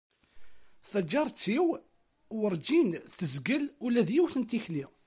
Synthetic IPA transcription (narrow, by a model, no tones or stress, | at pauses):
θæd͡ʒːɑɾˤt͡sːiw | wəɾˤd͡ʒinθəzɡəlulæðjiwθənt̪içli